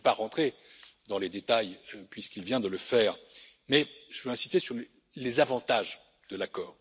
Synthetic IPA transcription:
paʁɑ̃t̪χed̪ɑ̃led̪et̪ajpɥiskilvjɛ̃d̪ələfɛːʁ | mɛʒ̥əvøɛ̃si̥st̪esyʁ | lezavɑ̃t̪aʒ | d̪̥əlakɔːʁ

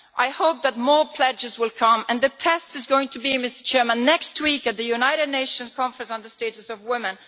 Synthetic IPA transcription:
ʔaɪhoʊp̚ðət̚mɔɹpʰl̥ɛd͡ʒɨzwɪlˠkʰʌ̃mɨ̃nðɨtʰɛstɨzɡoʊɪ̃ŋtʰɨbimɪstə˞t͡ʃʰɛɹmə̃nːɛkst̚wikɨt̪̚ðɨjʉnaɪɾɨdⁿneɪʃə̃nkʰɑ̃ɱfɹɨ̃nsn̩ðəsteɪɾɨsʌvwɪmɨ̃n

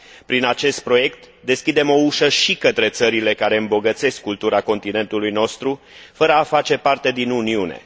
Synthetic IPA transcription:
pɾinat͡ʃe̞st̪̚pɾo̞je̞kt̪ | d̪e̞skʲid̪e̞mo̞uʃəʃikət̪ɾe̞t̪səɾile̞kaɾe̞ɨmbo̞ɡət̪se̞skːult̪uɾako̞nt̪ine̞nt̪ulujno̞st̪ɾu | fəɾəafat͡ʃe̞part̪e̞d̪inuniune̞̰

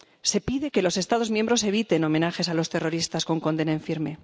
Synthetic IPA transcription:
se̞piðe̞ke̞lo̞se̞st̪að̞o̞zmjembɾo̞se̞βit̪e̞no̞mẽ̞naxe̞salo̞st̪e̞ro̞ɾist̪asko̞ŋko̞nd̪e̞naeɱfiɾme̞

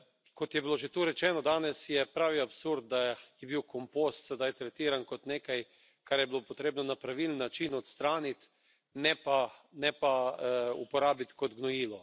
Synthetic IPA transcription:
kɔt̪jɛbiloʒet̪uːɾɛt͡ʃɛːnɔd̪aːnɛsjɛpɾaːʋiapsuɾd̪̚d̪ajɛbiwkompost̪sɛd̪ajt̪ɾɛt̪iːɾankot̪neːkaj | kaɾjɛbilopot̪ɾeːbnɔnapɾaʋilənːat͡ʃinɔt̪st̪ɾaːnit̪ | nɛpanɛpaupɔɾaːbit̪kɔd̪ɡnɔjiːlɔ

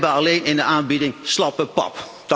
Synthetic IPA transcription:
bəɑlejnɪndəʔaːnbidɪŋslɑpəpɑ̰p | d̥

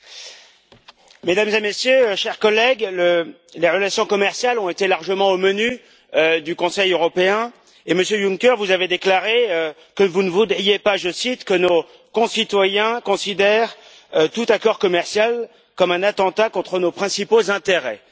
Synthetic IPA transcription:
med̪amzemesjøʃɛʁkɔlɛɡlə | leʁəlasjɔ̃kɔmɛʁsjalɔ̃et̪elaʁʒəmɑ̃oməny | ød̪ykɔ̃sɛjøʁɔpeɛ̃ | eməsjøjuŋkʲɛʁvuzaved̪eklaʁeø | kəvunəvud̪ʁijepaʒəsit̪kəno | kɔ̃sit̪wajɛ̃kɔ̃sid̪ɛʁ | t̪ut̪akɔʁkɔmɛʁsjal | kɔmɛ̃nat̪ɑ̃t̪akɔ̃t̪χənopχɛ̃sipozɛ̃t̪eʁɛ

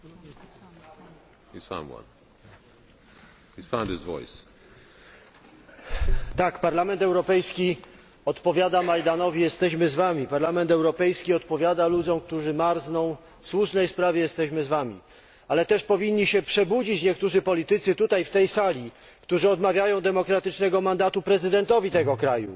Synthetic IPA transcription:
isfã̰nwã̰n | hizfãndɪzvɔ̰js | t̪akpaɾlamɛnt̪ɛwɾɔpɛjskʲi | ɔt̪pɔvʲjad̪amajd̪anɔvʲijɛst̪ɛɕmɘzvamʲipaɾlamɛnt̪ɛwɾɔpɛjskʲiɔt̪pɔvʲjad̪alud͡zzɔ̃w̃k̚t̪uʐɘmaɾznɔ̃w̃ | fswuʂnɛjspɾavʲjɛjɛst̪ɛɕmɘzvamʲḭ | alɛt̪ɛʂpɔvʲiɲːiɕɛpʂɛbud͡ʑit͡ɕɲɛkt̪uʐɘpɔlʲit̪ɘt̪sɘt̪ut̪ajft̪ɛjsalʲi | kt̪uʐɘɔd̪mavʲjajɔ̃w̃d̪ɛmɔkɾat̪ɘt͡ʂnɛɡɔmand̪at̪upɾɛzɘd̪ɛnt̪ɔvʲit̪ɛɡɔkɾajṵ

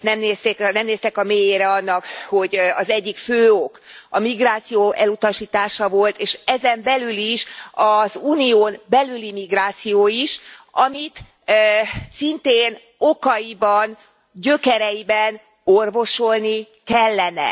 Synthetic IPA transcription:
nɛmneːst̪eknɛmneːst̪ɛkɒmeːjeːɾɛɒnːɒkho̞ɟɒzɛɟːikføːokɒmiɡraːt̪sijoːʔɛlut̪ɒʃiːt̪aːʃɒvo̞lt̪eːʃɛzɛmbɛlyliʃɒzuːnijoːnbɛlylimiɡraːt̪sijoːiʃɒmit̪ | sint̪eːn | okɒjibɒn | ɟø̞kɛɾɛjibɛn | orvo̞ʃo̞lni | kɛlːɛnɛ̰

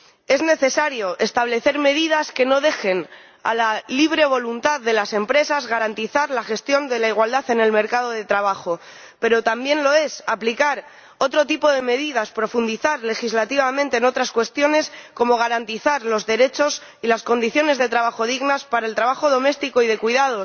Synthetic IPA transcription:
e̞zne̞θe̞saɾjo̞ʔe̞st̪aβ̞le̞θe̞ɾme̞ðið̞aske̞no̞ðe̞xe̞n | a̰laliβ̞ɾe̞β̞o̞lunt̪aððe̞lase̞mpɾe̞sazɣaɾant̪iθaɾlaxe̞st̪jo̞nd̪e̞laiɣwald̪aθe̞ne̞lme̞ɾkað̞o̞ð̞e̞t̪ɾaβ̞axo̞ | pe̞ɾo̞t̪ambje̞nlo̞e̞saplikaɾ | o̞t̪ɾo̞t̪ipo̞ð̞e̞me̞ðiðaspɾo̞fund̪iθaɾle̞xizlat̪iβamẽnt̪e̞ːno̞t̪ɾaskwe̞st̪jo̞ne̞sko̞mo̞ɣ̞aɾant̪iθaɾlo̞zðe̞ɾe̞t͡ʃo̞s | ilasko̞nd̪iθjo̞ne̞zðe̞t̪ɾaβaxo̞ð̞iɣnaspaɾae̞lt̪ɾaβaxo̞ð̞o̞me̞st̪iko̞iðe̞kwiðað̞o̞

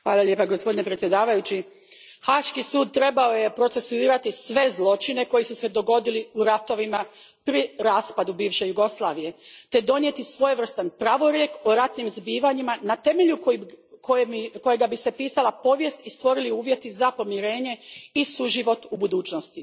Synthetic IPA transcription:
xʋaːlˠalʲje̞paɡospo̞d̪inepɾet̪sʲje̞d̪aːʋajut͡ɕi | xaːʃkisuːd̪̚t̪ɾe̞bao̞je̞pɾo̞t̪se̞suiːɾat̪isʋe̞zlˠo̞t͡ʃine̞ko̞jisuse̞d̪o̞ɡo̞d̪iliuɾat̪o̞ʋima | pɾiɾaːspad̪ubiːʋʃe̞juɡo̞slˠaːʋije̞t̪e̞d̪o̞njet̪isʋo̞jeʋr̩st̪anpɾaʋo̞ɾje̞koɾat̪nimzbiːʋaɲimanat̪e̞me̞ʎuko | koko̞jeɡabise̞piːsalˠapo̞ʋje̞st̪ist̪ʋo̞ɾiliuːʋje̞t̪izapo̞mjiɾe̞ːɲe̞isuʒiʋo̞t̪ubud̪uːt͡ʃnost̪i

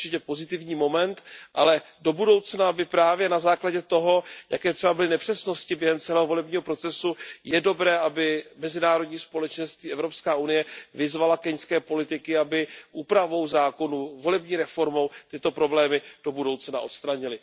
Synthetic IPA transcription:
t͡ʃɪcɛpo̞zɪt̪ɪvɲiːmo̞mɛnt̪ʔalɛ | do̞budo̞wt͡snaabɪpɾaːvjɛnazaːklaɟɛt̪o̞ɦo̞jʔa̰kɛːt̪r̥ɛbabɪlɪnɛpr̝̥ɛsno̞scɪbjɛɦɛmt͡sɛlɛːɦovo̞lɛbɲiːɦo̞pɾo̞t͡sɛsujɛdo̞bɾɛːʔabɪmɛzɪnaːɾo̞dɲiːspo̞lɛt͡ʃɛnst̪viːʔɛvɾo̞pskaːunɪjɛvɪzvalakɛɲskɛːpo̞lɪt̪ɪkɪabɪʔuːpɾavo̞wzaːko̞nuvo̞lɛbɲiːɾɛfo̞ɾmo̞wt̪ɪt̪o̞pɾo̞blɛːmɪd̥o̞budo̞wt͡sna̰ʔo̞t̪st̪ɾaɲɪlɪ

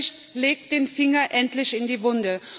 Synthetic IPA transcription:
çt | leːk̚td̥eːnfɪŋɐʔɛntlɪçɪndiːvʊndə

